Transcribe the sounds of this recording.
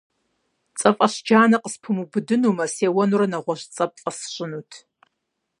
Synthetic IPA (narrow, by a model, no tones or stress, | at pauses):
t͡sʼɐfʼɐɕd͡ʒaːnɐqəspʰɨmubɨdɨnumɐseːwɐnuɾɐnɐʁʷɔɕt͡sʼɐpʼɐsɕʼɪnutʰ